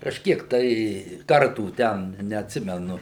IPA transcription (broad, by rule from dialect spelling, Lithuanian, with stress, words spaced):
kɐʃʲˈkʲiɛk tɐɪ ˈkɐrtuː ˈtʲɛn nʲɛɐtʲˈsʲɪmʲɛnʊ